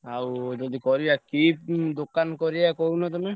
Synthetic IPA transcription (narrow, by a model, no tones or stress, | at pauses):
awd͡ʒɔd̪ikɔɾibakid̪okːankɔɾiakɔwnɔt̪ume